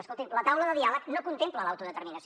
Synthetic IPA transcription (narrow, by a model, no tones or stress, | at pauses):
əskolˠt̪imlət̪awləðəðialəknokunt̪empləlawt̪uðət̪əɾminəs